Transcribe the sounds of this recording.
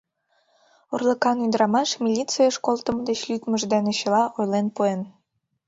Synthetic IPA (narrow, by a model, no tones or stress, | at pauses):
urlˠə̆kɑnyd̪ɾɑmɑʃmʲilʲit͡sɨjɑʃkolt̪ə̆m̆d̪et͡ɕlʲyt̪mə̆ʒd̪eneɕĕlɑʔojlenpuen